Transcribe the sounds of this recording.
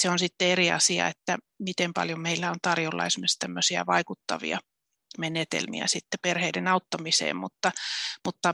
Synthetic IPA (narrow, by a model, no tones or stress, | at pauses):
seonsit̪ːeeɾiɑ̰siɑ̰et̪ːæ | mit̪empɑ̰ljomeilːæont̪ɑrjolːɑ̰ismest̪æmːøsiæ̰ʋɑikut̪ːɑʋḭɑ̰ | menet̪ḛlmḭæ̰sit̪ːeperheidenɑut̪ːɑmisḛːmmut̪ːɑmut̪ːɑ